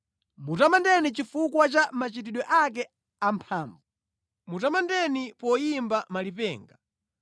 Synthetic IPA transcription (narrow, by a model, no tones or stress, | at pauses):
mutamandɛnit͡ʃifukwat͡ʃamat͡ʃitiɗwɛʔak̬ɛ | ampʰaːɱvu | mutamandɛnipɔjimbamalipɛ̰ːŋɡa